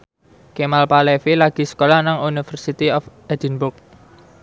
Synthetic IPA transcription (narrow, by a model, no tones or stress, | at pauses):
kemalpalefilaɡ̥i̤sə̥kolanaŋunifərsit̪iɔfɛd̪̥ənbʊrk̚